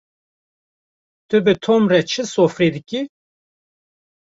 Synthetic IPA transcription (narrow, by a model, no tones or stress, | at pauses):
t̪ɨbɨt̪ʰomrɛt͡ʃʰɨsoːfɾed̪ɨki